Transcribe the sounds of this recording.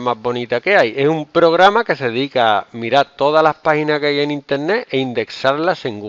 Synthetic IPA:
mazβo̞nit̪ake̞aje̞sumpɾo̞ɣ̞ɾamake̞se̞eðikamiɾaɾt̪o̞ð̞alahpahinakajenĩnt̪e̞ɾneeind̪e̞ksaɾlaseŋɡu

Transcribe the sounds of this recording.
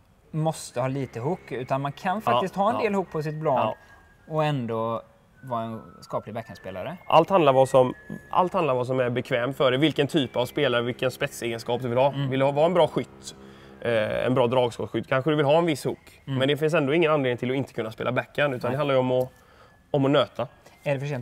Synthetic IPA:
mɔst̪əhɑːliːt̪əɦʊkːʉ̟ːt̪anmankʰanfak̪ɪst̪hɑːɛnd̪eːlhuːk̚pʰɔs̬ɪt̪̚blɑ | ɔɛnd̪o | vɑːɾaɛnskɑːplɪɡbɛkːanspeːla̰ɾəʔa̰lt̪hand̪aɾvɑːsɔmʔa̰lt̪hand̪aɾvaːs̬ɔmæɾbɛkʰvɛːmfœɖɛvɪlkənt̪ʰyːpavspeːlaɾəvɪlkənspɛt̪seːɡənskɑːp̚d̪ɵvɪlhɑːvɪlːvɑːɛnbɾɑːɧʏt̪ː | ɛ̰nbɾɑːd̪ɾɑːɡskɔɧʏt̪ːkʰanɧəd̪ɵvɪlɦɑːɛnvɪshuːkmɛnd̪ɛfɪns̬ɛnd̪oːɪŋːənanleːnɪŋt̪ɪlɔɪnt̪ə̥kʰɵnːaspeːlabɛkːənʉ̟ːt̪and̪ɛhanajɔmɔ | ɔmɔnøːt̪ʰaæɖɛfœʂɛ

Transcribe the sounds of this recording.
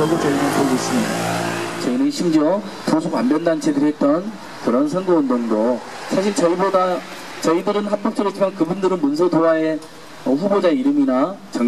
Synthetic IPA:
ʌɡut͡ɕʌinɯnpʰoɡes͈ɯmɲidat͡ɕʌinɯnɕʰimd͡ʑiʌ | tusʰuka̰mbjʌndant͡ɕʰedɯɦe̞t̚t͈ʌn | kɯɾʌnsʰʌŋɡoʌndoŋdo | sʰaɕ̬ʰiɭt͡ɕʌiboda | t͡ɕʌidɯɾɯnhak̚p͈ok̚t͡ɕ͈ʌɾet͡ɕ͈imankɯbundɯɾɯnmuns̬ʰodoɦae | ʌɸubod͡ʑaiɾɯminat͡ɕʌ

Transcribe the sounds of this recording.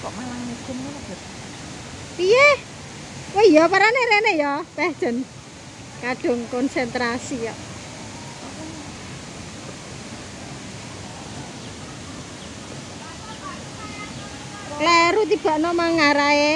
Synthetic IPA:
kɔʔmalaŋmikɪnkalab̥ | pije | wejɔpaɾaneɾenejɔpɛhd̥ʒ̥ə̤n | kaɖ̥ʊ̤ŋkɔnsɛnt̪ɾasijɔ | leɾut̪̬ib̥a̤ʔnɔmaŋaɾae

